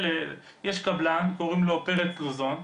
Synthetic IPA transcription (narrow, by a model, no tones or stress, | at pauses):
le | jeʃkablankoʁimlopeʁet̪̚luzon